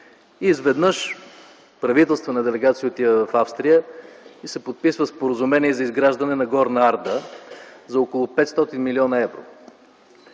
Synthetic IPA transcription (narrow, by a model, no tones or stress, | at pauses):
izvɛd̪nəʃ | pɾɐvit̪ɛlˠst̪vənɐd̪ɛlɛɡat̪sijəot̪ivəvɐfafst̪ɾijəisɛpot̪̚pisvəspoɾəzumɛniɛzɐizɡɾaʒd̪ɐnɛnɐɡɔɾnɐaɾd̪ə | zɐokolˠupɛt̪st̪ɔt̪inmiliɔnɐɛvɾo̰